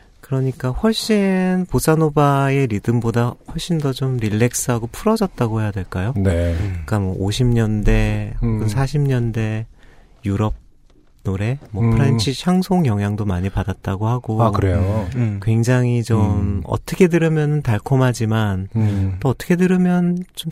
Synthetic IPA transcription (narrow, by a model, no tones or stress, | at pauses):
kɯɾʌɲik͈aɸwʌɭɕ͈inpos͈anobae̞ɾidɯmbodahʌɭɕ͈indʌt͡ɕomɾiɭːe̞k̚s͈ɯɦaɡopʰuɾʌd͡ʑʌt̚t͈aɡohejadwe̞ɭk͈ajoneik͈amwʌʔoɕʰimɲʌnde̞ɡɯnsʰaɕʰimɲʌnde̞ | juɾʌb̚ | noɾe̞mwʌpʰɯɾent͡ɕʰiɕʰaŋsʰoŋjʌŋɦjaŋdomaɲipadat̚t͈aɡohaɡoakɯɾejokwe̞ŋd͡ʑaŋit͡ɕomʌ̰t͈ʌkʰe̞dɯɾɯmjʌnɯntaɭkʰomɦad͡ʑimant͈oːt͈ʌ̥kʰe̞dɯɾɯmjʌnt͡ɕom